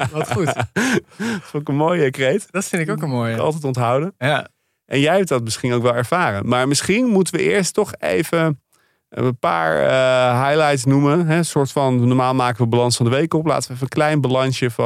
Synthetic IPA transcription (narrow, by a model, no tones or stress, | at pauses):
sokənmoːjəkrejtdtfɪndɪkokənmoːjɑ̰lˠtɛjtɔntɦawdənja | ʔɛnjɛjɦɛp̚dɑt̚mɪsχinowkʋɛlˠɛɹv̥aːrənmaːɹmɪsχinmutəʋəʔɪːɹstɔχḛjvə | əpa̰ːɹəɦajlajtsnumənɦɛsʊːɹtfɑnːɔɹmaːlˠmaːkəʋəbalɑnsfɑndəʋejkɔpla̰ːtəʋəɛfəənklɛjnbalɑnʃjəf